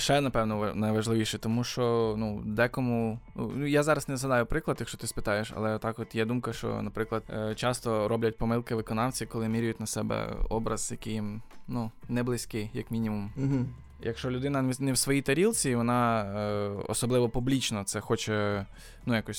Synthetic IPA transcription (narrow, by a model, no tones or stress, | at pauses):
ʃɛnɐpɛwnɔʋnɐjʋɐʒlˠɪʋʲiʃɛt̪ɔmuʃt͡ʃɔnud̪ɛkɔmunṵnujazɑɾɐznɛzɦɐd̪ɑjʊpɾɪklˠɐd̪jɐkʃt͡ʃɔt̪ɪspɪt̪ɑjeʃɐ̰lˠɛt̪ɑkɔt̪jɛd̪umkɐʃt͡ʃɔ̰nɐpɾɪklˠɐd̪t͡ʃɑst̪ɔɾɔblʲɐt̚ʲpɔmɪlˠkɪʋɪkɔnɑwt͡sʲikɔlˠɪmʲiɾʲʊjʊtʲnɐsɛbɛ̰ɔbɾɐz̥jɐkɪjimnunɛblˠɪsʲkɪjɐkmʲinʲimum̩ɦ | jɐkʃt͡ʃɔlʲʊd̪ɪnɐnɛwsʋɔjit̪ɐɾʲilˠt͡sʲiʋɔnɑ | ɔ̰sɔblˠɪʋɔpublʲit͡ʃnɔt̪sɛxɔt͡ʃɛ | nujakɔsʲ